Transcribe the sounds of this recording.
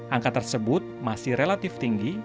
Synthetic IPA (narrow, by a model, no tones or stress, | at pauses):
ʔaŋkat̪ərsəbʊt̪̚masɪhrelat̪ɪft̪iŋɡi